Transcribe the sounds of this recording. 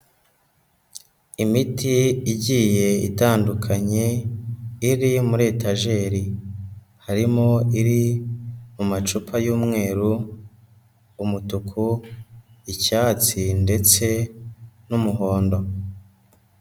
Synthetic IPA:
imitiːɟije̞ḭtaːndukʰaɲe | iɾimuɾe̞ːtaʒe̞ɾi | haɾimoiɾi | mumat͡ʃupʰajuːmŋe̞ːɾu | umutukʰu | icaːt͡sinde̞t͡se̞ | numuɦo̞ːndo̞

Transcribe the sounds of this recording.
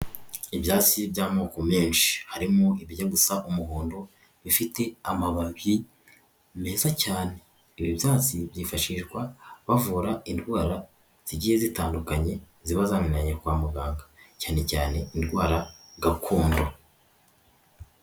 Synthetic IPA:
iβjaːt͡sibɟaːmo̞ːko̞meːnʃi̥haɾimoiβiɟaɡusaʔumuɦoːndo̞ | βifite̞amaβaβi | me̞ːzacaːne̞ː | βiβjaːt͡sibjiːfaʃiʒɡwaβavuːɾaindɡwaːɾa | z̥iɟiːhe̞zitaːndukaɲe̞ | ziβazaːninaɲekwaːmuɡaːŋɡacaːne̞caːne̞indɡwaːɾaɡakʰuːndo

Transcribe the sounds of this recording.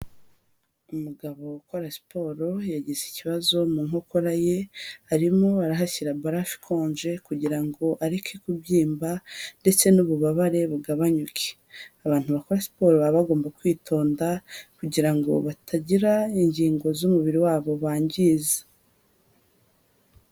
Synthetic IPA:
umuɡaβo̞kwaɾasi̥po̞ɾo̞jaɟeziciβazo̞muŋo̞koɾaje̞aɾimo̞aɾaɦaçiɾabaɾafi̥kʰo̞ːɲʒe̞kuɟiɾaŋɡo̞ʔaɾekʰe̞kubɟiːmbande̞t͡se̞nuβuβaβaɾe̞βuɡaβaɲukʰe̥ | aβaːn̥uβako̞ɾasi̥po̞ɾoβaβaɡo̞ːmbakwiːtʰo̞ːndakuɟiɾaŋɡo̞̰βatʰaɟiɾaiɲɟiːŋɡo̞zumuβiɾiwaːβo̞βaːɲɟiːze̥

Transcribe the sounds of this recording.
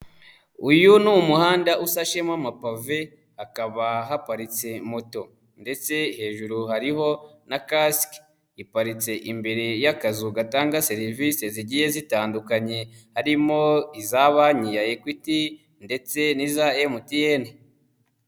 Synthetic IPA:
ujunumuhaːndaʔusaʃemwamapave̞ | akaβaɦapaɾit͡se̞moto̞ | nde̞t͡se̞he̞ːʒuɾuhaɾiho̞nakask | ipaɾit͡se̞ʔimbe̞ɾe̞jakazuɡataːŋɡaseɾivise̞ziɟije̞zitaːndukaɲe̞haɾimoizaβaɲijajekwiti | nde̞t͡se̞nizaemutijeni

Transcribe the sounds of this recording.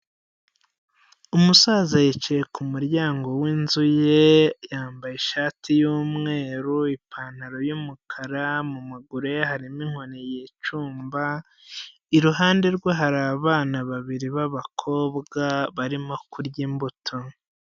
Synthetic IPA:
umusazajet͡ʃejekumuɾɟaːŋɡo̞wiːnzuje̞jaːmbajeʃaːtʰijuːmŋe̞ːɾuipʰaːn̥haɾo̞jumukʰaɾamumaɡuɾe̞haɾimiŋ̥o̞nejet͡ʃuːmba | iɾuɦaːnde̞ɾɡweɦaɾaːβaːnaβaβiɾiβaβakʰo̞ːβɡaβaɾimo̞kuɾɟiːmbutʰo̞

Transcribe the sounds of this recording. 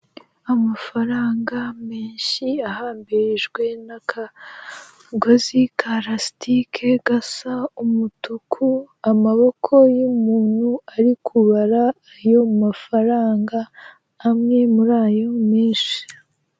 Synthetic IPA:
amafaɾaːŋɡameːnʃiahaːmbiɾiʒɡwe̞nakʰa | ɡozikʰaɾastikʰe̞ɡasaumutukʰu | amaβo̞kʰo̞jumuːn̥huaɾikʰuβaɾaː | jo̞mafaɾaːŋɡaː | mŋe̞muɾaːjo̞meːʃḁ

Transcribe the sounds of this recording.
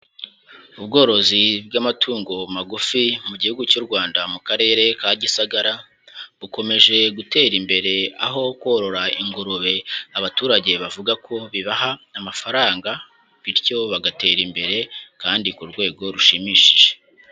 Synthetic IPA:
ubɡo̞ːɾo̞zibɡamatʰuːŋɡo̞maɡufimuɟihuɡucuɾɡwaːndamukaɾe̞ːɾe̞kaɟisaɡaɾa | βuko̞me̞ʒe̞ɡute̞ːɾimbe̞ɾe̞a̰ɦo̞kwo̞ɾo̞ɾaiŋɡuɾuβe̞aβatuːɾaɟe̞βavuɡakʰo̞βiβaɦaːmafaɾaːŋɡa | βiɾɟo̞βaɡate̞ːɾimbe̞ɾe̞kaːndikuɾɡwe̞ːɡo̞ɾuʃimiːʃiʒe

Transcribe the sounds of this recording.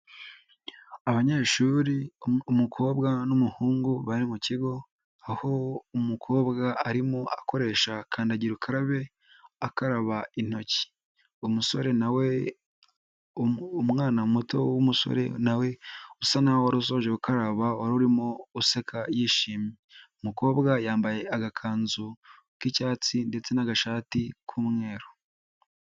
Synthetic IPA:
aβaɲeːʃuːɾiumukʰo̞ːbɡanumuhuːŋɡuβaɾimuciɡo̞ | aho̞umukʰo̞ːβɡaaɾimoako̞ɾe̞ːʃakʰaːndaɟiɾukʰaɾaβe̞ | akaɾaβain̥o̞ci̥ | umuso̞ɾe̞nawe | mŋaːnamuto̞wumuso̰ɾḛnawe̞usanahoaɾus̬oʒeukaɾaβaoaɾuuɾimouse̞kʰajiːʃiːmi | umuko̞ːbɡajaːmbaje̞aɡakʰaːnzu | kicaːt͡sinde̞t͡se̞naɡaʃaːtikʰuːmŋe̞ːɾo

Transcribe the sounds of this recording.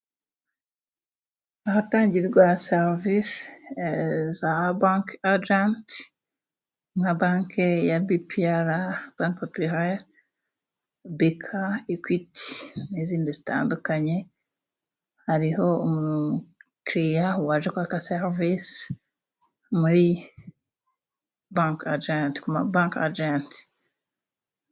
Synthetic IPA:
ahataːɲɟiɾɾɡwaseɾvis | zabaŋkad͡ʒant | mŋabaːŋkejabipʰiaɾab̥aŋkpopuɾaɾ | bikʰaikwiti̥niziːndizita̰ːndukaɲe | haɾiɦo̞omukɾijawaʒekwakaseɾvis | muɾi | bãŋkad͡ʒanti̥kumabãŋka̰d͡ʒanti̥

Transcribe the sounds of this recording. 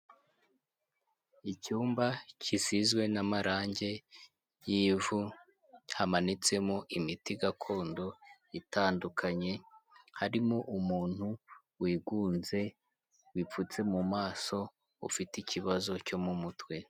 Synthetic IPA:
icuːmbacʰisizɡwe̞namaɾʔaːɲɟe̞ | jiːvu | hamanit͡se̞moʔimitiɡakʰo̞ːndo̞ | itaːndukʰaɲe̞haɾimoʔumuːn̥hu | wiːɡuːnze̞ | wip͡fut͡se̞mumaːso̞ | ṵfiticiβazo̞co̞mumutwe̞

